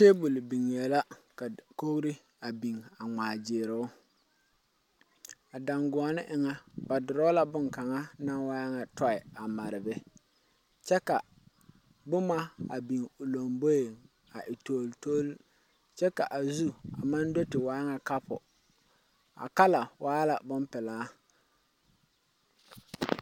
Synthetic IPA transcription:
t͡ʃe˦bu˨lbi˨ŋ˨e˨la˦ka˨ko˦ɣɾi˦ | a˨bi˨ŋa˨ŋ͡maː˨d͡ʒɪː˨ɾɪ˨˦ʊ˦ | a˨da˨ŋɡʊ˨a˨nɪ˦ʔɪ˨ŋa˦ba˨dʊ˨ɾɔ˦la˦bʊ˦ŋ˨ka˨ŋa˦na˦waː˦ŋa˨tɔ˦ɪ˨a˨ma˨ɾɪ˨bɛ˦ | t͡ʃɛ˦ka˨ | bʊ˦ma˦a˨bi˨ŋʊ˨lo˨mbo˦je˨ŋ | a˨ʔɪ˨to˦˨lto˦l | t͡ʃɛ˦ka˨ʔa˨zu˦a˨ma˦ndo˦tɪ˨waː˦ŋa˨ka˦pʰʊ˨ | a̰˨ka˦la˨wʔaː˦la˨bʊ˦mpɪ˨laː˦

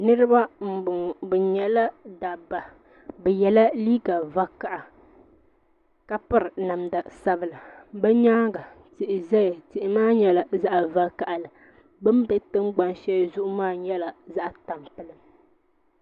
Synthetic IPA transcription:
nɨ˦ɾɨ˦ba˦m̩˨bʊ˨ŋbɛ˨ɲɛ˨la˦da˨ba˨ | bɛ˨jɛ˨la˦liː˦ɡa˨va˦ka˨ʔa˨ | ka˦pɨ˦ɾɨ˨na˨mda˨sa˦bɨ˨la˨bɛ˦ɲaː˦ɡa˨ | tɪ˨ʔɪ˨zɛ˦ja˨tɪ˨ʔɪ˨maː˦ɲɛ˦la˨za˦ʔa˨va˦ka˨ʔa˨lɨ˨ | bɨ˦mbɛ˦tɨ˦mɡ͡ba˨nʃɛ˦zʊ˦ʔʊ˦maː˦˨ɲɛ˦la˨za˦ʔta˨mpɨ˦lɨ˦m

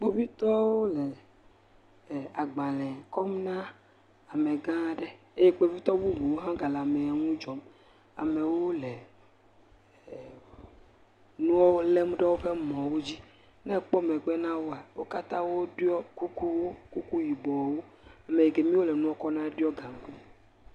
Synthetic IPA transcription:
k͡po˦vi˦t̪ɔ˦wo˦le˨ | a˨ɡ͡bã˨lɛ̃˨kɔ˦mnã˦ | a˨me˨ɡã˦˨ɖe˦ | e˦jɛ˦k͡pe˦vi˦t̪ɔ˦bu˦bu˨wo˦ɦã˦ɡa˨la˨me˨a˨ŋũ˦d͡ʒɔ˨m | a̰˨me˨wo˦le˨ | nũ˦ɔ˦wo˦le˦m˦ɖɛ˦wo˦ɸe˦mɔ̃˨wo˦d͡ʑi˦ | nɛ̃˦k͡pɔ˦mɛ˨ɡ͡bɛ˦nã˦wo˦a˨wo˦ka˦t̪ã˦wo˦ɖɔ˦ku˦ku˦wo˦ku˦ku˦ji˨bɔ˨wo˦ | a˨me˨e˨ɡe˨mĩ˦wo˦lɛ˨nũ˦ɔ˦kɔ˦nã˦ɛ˦ɖɔ˦ɡã˨ŋ˨ku˦

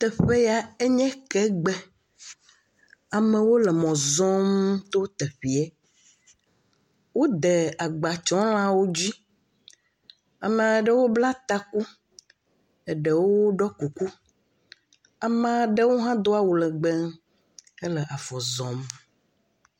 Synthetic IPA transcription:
t̪ɛ˨ɸe˦ja˨e˦ɲɛ̃˦kɛ˦ɡ͡bɛ˦ | a˨mẽ˨wo˦lɛ˨mɔ̃˨zɔ̃˦mt̪o˦t̪e˨ɸi˨e˦ | wo˦d̪e˨a˨ɡ͡ba˨t͡ʃɔ̃˨˦l̃ã˦wo˦d͡ʑi˦ | a˨mã˨ɖe˦wo˦bla˦t̪a˦ku˦ | e˨ɖe˨wo˦ɖɔ˦ku˨ku˦ | a˨mã˦ɖe˦wo˦ɦã˦d̪o˦a˦wo˨lɛ˨ɡ͡bɛ˦m | e˦lɛ˨ʔa˨fɔ˨zɔ̃˨m

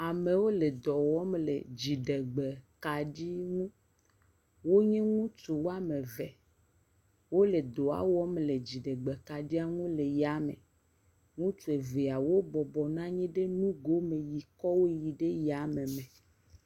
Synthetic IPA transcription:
a˨mẽ˨wo˦le˨d̪ɔ˨wɔ˦mlḛ˨d͡ʑi˨ɖe˨ɡ͡be˨ka˨ɖi˦ŋũ˦ | wo˦ɲɛ̃˦ŋũ˦t͡ʃu˨wo˦a˦mẽ˨vɛ˨ | wo˦le˨d̪o˨a̰˦wɔ˦mle˨d͡ʑi˨ɖe˨ɡ͡be˨ka˨ɖi˦a˦ŋũ˦le˨ja˨mḛ̃˨ | ŋũ˦t͡ʃu˨e˨ve˨a˨wo˦bɔ˨bɔ˨nã˦ɲĩ˦ɖe˦nũ˦ɡo˦mẽ˨ji˨kɔ˦wo˦ji˨ɖe˦ja˨mẽ˨mẽ˨

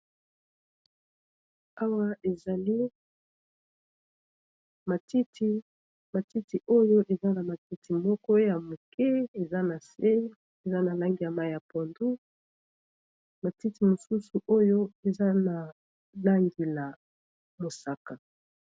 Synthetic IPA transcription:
a˦wa˦ʔe˨za˨li˦ | ma˨ti˦ti˦ | ma˨ti˦ti˨ʔo˦jo˦ʔe˨za˦na˨ma˨ki˦tʰi˨mɔ˦kɔ˦ja˨mo˨kɛ˦e˨za˦na˨se˦ | e˨za˦na˨la˦ŋɡi˨a˨ma˦ja˨pɔ˨ndu˦ | ma˨ti˦ti˨mo˨su˦su˨ʔo˦jo˦e˨za˦na˨ | la˦ŋɡi˨la˨ | mo˨sa˨ka˨

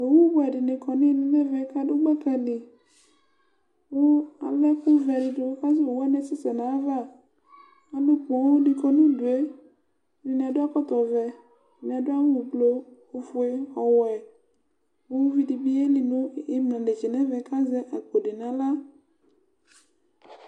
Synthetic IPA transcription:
wo˨wu˦bo˦ɛ˨ɖɪ˨nɪ̃˨kɔ˨nĩ˦nũ˨nɛ̃˦vɛ˨˦ka˦do˦ɡ͡bɛ˦kɛ˨nĩ˨ | wo˦a̰˨lɛ˦ku˦vɛ˨dɪ˨do˨wo˦ka˦zɛ˦wo˨wu˦a˦nɛ̃˨sɪ˦sɛ˨nã˨˦va˦˨ | a˨lo˦k͡pɔ˨wo˦di˨kɔ˨nũ˦du˨e˦ | nĩ˨nĩ˨a˨do˦a˦kɔ˦t̪ɔ˨vɛ˨ | nĩ˨a˨do˦a˦wu˨blo˦ | o˨fu˨e˦ɔ˨wɛ˨ | wu˦vi˦di˨bi˦e˦li˨nũ˦i˦mlã˨de˨t͡ʃi˨nɛ̃˦vɛ˨˦ka˦zɛ˦ʔa˨k͡po˨ɖe˨nã˨la˦

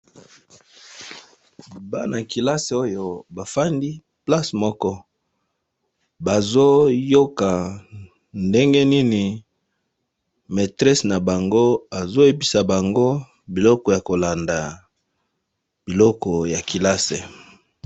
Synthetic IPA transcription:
ba˦na˨ki˨la˦se˨o˦jo˨ba˨fa˦ndi˦ | pla˦smɔ˦kɔ˦ | ba˨zo˦jo˦ka˨ | nde˦ŋɡe˦ni˦ni˨ | me˨tʁɛ˦sna˨ba˨ŋɡo˦a˨zo˦je˦pi˨sa˨ba˨ŋɡo˦ | bi˨lɔ˦kɔ˨ja˨ko˨la˨nda˨ | b̥i˨lɔ˦kɔ˨ja˨ki˨la˦se˨

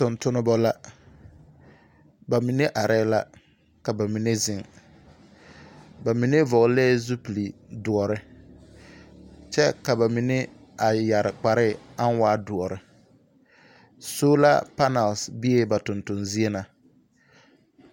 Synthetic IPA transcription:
tʊ˨ntʊ˦nʊ˦bɔ˦la˦ | ba˨mi˨ne˦ʔa˨ɾɛ˦la˦ | ka˨ba˨mi˨ne˦zɪ˦ŋ | ba˨mi˨ne˦vɔ˨ɣlɛː˦zu˦pi˨li˨dʊ˨ɔ˨ɾɪ˦ | t͡ʃɛ˦ka˨ba˨mi˨ne˦ | a˨ja˨ɾɪ˨k͡pa˨ɾɪ˦˨a˦n˦waː˦dʊ˨ɔ˨ɾɪ˦ | soː˦la̰˦pa˦na˨lsbi˦e˦ba˨tʊ˨ntʊ˨nzi˦e˦na˨

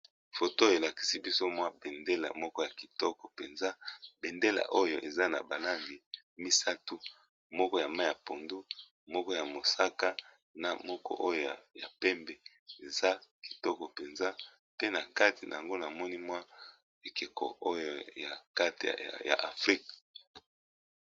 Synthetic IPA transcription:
fo˨to˦˨e˨la˨ki̥˨si˦bi˦so˦mwa˦be˨nde˦la̰˨mɔ˦kɔ˦ja˨ki˨tɔ˦kɔ̥˨pe˨nza˦be˨nde˦la̰˨ʔo˦jo˨ʔe˨za˦na̰˨ba˨la˦ŋɡi˨ | mi˦sa˦tu˦ | mɔ˦kɔ˦ja˨ma˦ja˨po˨ndu˦ | mɔ˦kɔ˦ja˨mo˨sa˦ka˦ | na˨mɔ˦kɔ̰˦ʔo˦jo˨ja̰˨pɛ˦mbɛ˨ | e˨za˦ki̥˨tɔ˦kɔ˨pe˨nza˦ | pe˦na˨ka˦ti˨na̰˨a˨ŋɡo˦na˨mɔ˦ni˦mwa˦ | e˨ke˨kʰɔ̰˨ʔo˦jo˦ja̰˨ka˦tḭ˨ja̰˨ʔa˨fʁi˦kḁ˨

